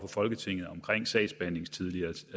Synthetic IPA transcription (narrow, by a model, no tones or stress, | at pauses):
fʰɒ̽fɒ̽lɡ̥ət͡sʰe̝ŋ̰ð̩ˠɒ̽mkʰʁeŋ̰sɛ̰̥ːsb̥æn̰e̝ŋst͡sʰið̞ˠliɐ